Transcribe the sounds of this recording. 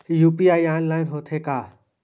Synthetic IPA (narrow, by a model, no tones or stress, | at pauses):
hijuːpiːaːiaːɪnlaːɪnɦoːt̪ʰeːkaː